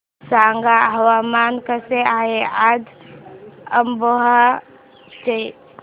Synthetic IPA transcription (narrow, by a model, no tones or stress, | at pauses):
saːŋɡaɦɐwaːmaːnkəseaːɦeaːd͡ʒ | əmboɦa | t͡ʃe